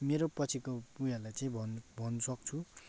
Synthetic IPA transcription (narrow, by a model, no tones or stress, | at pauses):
meɾopʌt͡sʰikopujalajt͡saĩbʱʌnbʱʌnʌsʌk̚t͡sʰu